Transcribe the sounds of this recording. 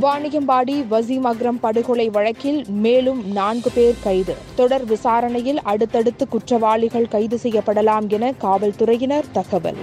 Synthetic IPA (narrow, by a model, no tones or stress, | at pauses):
ʊʋaːɳɪjɐmbaːɽiʋɐzimɐɣɾɐmpɐɽɯɣɔɭɐɪʋɐɻɐkːɪlmeːlɯmnaːnɡɯpeːɾkɐɪðɯt̪ɔɽɐɾʋɪsaːɾɐnɐjɪlɐɽɯt̪ːɐɽɯt̪ːɯkːʊʈrɐʋaːɭɪɣɐɭkɐɪðɯsɛjːɐpːɐɽɐlaːmɛnɐkaːʋɐlt̪ʊɾɐjɪnɐɾt̪ɐɣɐʋɐ̰l